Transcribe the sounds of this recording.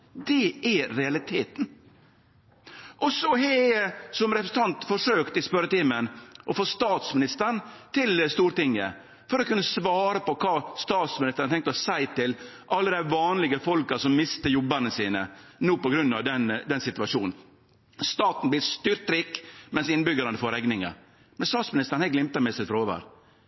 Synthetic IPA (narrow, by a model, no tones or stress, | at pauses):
d̪ɛɛɾɛɑlɪt̪ʰeːt̪n | ʔɔsɔɦɛsɔmɾɛpɾsənt̪ʰɑnt̪fɔʂøːkt̪ɪspœɾət̪iːmənʔɔfoːst̪ɑːt̪smɪnɪst̪əɾɳt̪ʰɪlst̪uːɾt̪ɪŋːə̰ | fɔɾɔkʉnːəsʋɑːɾəpɔkʰɑːst̪ɑːt̪smɪnɪst̪ənɑt̪ʰɛŋk̚t̪ɔsæɪt̪ɪl | ʔɑlːəd̪æʋɑːnlɪɡəfɔlkɑsɔmːɪst̪əjɔbənəsiːnənuːpɔɡɾʉnːɑʋd̪ɛnd̪ɛnsɪt̪ʉɑʂuːnn̩ | st̪ɑːt̪n̩blɪst̪ʏɾt̪ɾikːmɛnsɪnbʏɡəɾɑnəfoːɾɛɡnɪŋə̰ | mɛnst̪ɑːt̪smɪnɪst̪əɾɳ̩hæɪɡlɪmt̪ɑmɛsɪt̪fɾoːʋə̰ɾ